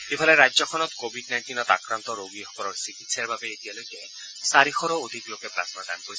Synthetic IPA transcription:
ibʱaleɾajzɔkʰɔnɔt̪kobʱiɖnajnʈinɔt̪a̰kɾant̪ɔɾoɡiɦɔkɔɾɔɹsikit̪saɹbabeːt̪ijalojke | saɾixʰɔɾɔod̪ʱiklokepɾa̰snada̰nkoɾis

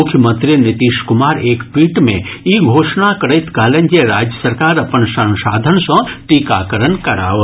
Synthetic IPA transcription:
ʊkʰjəmə̃nt̪ɾijnɪt̪iːʃkʊmaːɾeːkpiːʈmḛ̃iːɡʱoːʃnakəɾəɪt̪kaːlə̃nd͡ʒeɾaːd͡ʒjəsəɾkaːɾɐpənʃɐ̃nʃaːd̪ʱənsɐ̃ʈiːka̰ːkəɾənkɐɾa̰ːʋ

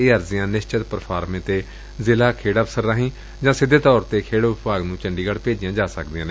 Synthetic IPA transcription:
eːəɾzɪjãːnɪst͡ʃət̪pəɾpʰaːɾmẽːt̪eː | zɪlaːkʰeːɽəːbsəɾːaːɦĩː | d͡ʒãːsɪd̪eːt̪ɔːɾt̪eːkʰeːɽoːʋʊpaːɡnũːt͡ʃəɳɖiːɡəɽpeːd͡ʒɪjãːd͡ʒaːsə̰kd̪iːãːneː

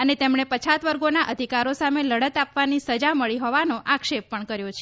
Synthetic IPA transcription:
ənet̪emɳ̃epət͡ʃʰat̪ʋəɾɡonaʔəd̪ʱikaɾosameləɽət̪apʋanisəd͡ʒaməɭiɦɔʋanoʔakʃepːəɳkəɾjot͡ʃʰe

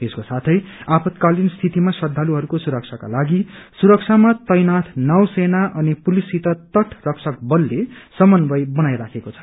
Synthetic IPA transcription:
eskosat̪ʰʌjapʰʌt̪kalinst̪ʰit̪imasʌd̪ʱːaluɦʌɾukosuɾʌk̚t͡sʰaka̰laɡisuɾʌk̚t͡sʰamat̪ʌjnat̪ʰnʌwsenaʔʌnipulisit̪ʌt̪ʌʈʰrʌksʰʌkbʌlːesʌmʌnbʌjbʌnajɾakʰekot͡sʰʌ̥

